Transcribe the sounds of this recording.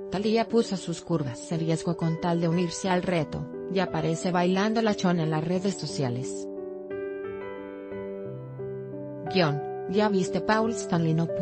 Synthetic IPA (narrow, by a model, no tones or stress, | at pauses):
t̪aliapusosuskuɾβasenrje̞zɣoko̞nt̪ald̪e̞uniɾsealret̪o̞̰ | japaɾe̞se̞βajland̪olat͡ʃo̞ne̞nlasre̞ðe̞sːo̞sjale̞s | ɡjon | ʝaβist̪e̞pawlst̪anlinop